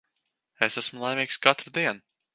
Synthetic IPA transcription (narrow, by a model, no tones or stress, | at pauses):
esæsmulˠajmʲiːkskat̪ɾɨd̪iɛn